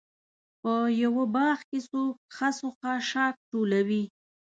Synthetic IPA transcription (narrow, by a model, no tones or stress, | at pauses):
pəjawəbɑxkesok̚xasoxaʃɑk̚ʈolawi